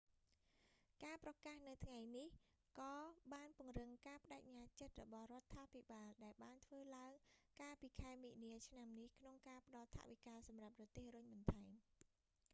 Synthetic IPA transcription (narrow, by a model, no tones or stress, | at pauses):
kaːprɑkaːhnɨwt̪ʰŋajnih | kɑːɓaːnpŭəŋrɨŋkaːpə̆ɗaɛk̚ɲaːt͡ɕət̪̚rɔ̰ɓɑhrŏət̪ʰːaːpʰiɓaːlɗaɛlɓaːnt̪ʰʋəːlaəŋkaːlpiːkʰaɛmiːniət͡ɕʰnamnihkʰnoŋkaːpə̆ɗɑlt̪ʰa̰ʔʋikaːlsɑmrap̚rɔt̪eːhrʊɲɓɑnt̪ʰaɛm